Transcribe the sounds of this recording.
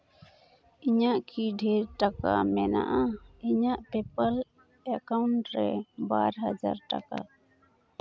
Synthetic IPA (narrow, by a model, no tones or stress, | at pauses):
iɲaʔkʰiɖʱeɾʈaka̰mɛna̰ʔaiɲaʔpepəl | ɛkawɳʈɾɛbaɾɦad͡ʒa̰ɾʈa̰ka̰